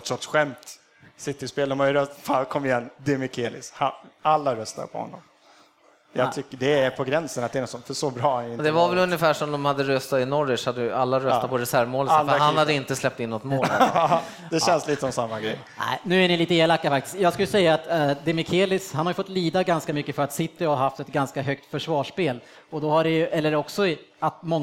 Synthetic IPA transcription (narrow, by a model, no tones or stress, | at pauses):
ɔt̪ɾɔt̪sɧɛmt̪ | sɪt̪ːɪspeːld̪ɔmhajʏɾœfakʰɔmːɪjɛnːd̪ɛmɪkʰeːlɪ̰sha̰alːaɾœst̪a̰ɾpʰɔ̰hɔ̰nːɔ̰m | jɑɡt̪ʰʏkːəɖɛæɾpʰɔɡɾɛnsənat̪̚d̪ɛɾnɔt̪sɔmfœʂɔbɾɑːanjɪnd̪ɛvavɛlɵnjəfæːʂɔmd̪ɔmhad̪ːəɾœst̪at̪ɪnɔɾɪʂhad̪ːəjɵalːaɾœssat̪pɔɾɛsæɾvmoːlhanhad̪ːəɪnt̪əslɛp̚t̪ɪnːɔt̪monːl | d̪ɛɛnsliːt̪əsɔmsamːaɡɾɛ̰j | æ̰ɪnʉ̟ːæɳɪliːt̪əeːlakːafak̚t̪ɪ̥sk̪jɑːɡskɵljəsɛjːaːt̪d̪ɛmɪkʰeːlɪshanhaɾjʏfɔt̪ːliːd̪aɡanskamʏkːəfœɾat̪sɪt̪ːɪɔhaɾhaft̪ɛt̪ɡanskaɦœkt̪fœʂvɑːʂpeːl | ɔd̪ɔhaɖɛjɵʔɛlːəɾɔksɔat̪mɔŋː